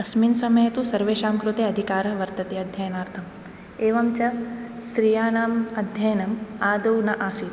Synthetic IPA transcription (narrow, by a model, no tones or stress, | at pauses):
ɐsminsɐmɐjɐt̪usɐɾʋeːʃaːmkɾut̪eːɐd̪ʱikaːɾɐʋɐɾt̪ɐt̪ejɐd̪ʱjɐjɐnaːɾt̪ʰɐm | eːʋɐmt͡ʃɐsɾiːjaːnaːmɐd̪ʱjɐjɐnɐmaːd̪ɐwnɐʔaːsi